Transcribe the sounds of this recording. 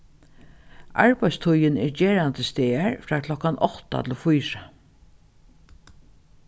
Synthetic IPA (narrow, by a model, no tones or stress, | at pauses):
ʔa̰ɹpajst̪ʰʊjɪnɛɹt͡ɕeːɹand̪əst̪eːaɹfɾaːkʰlɔkanɔht̪a̰t̪ʰɪlfʊjɹa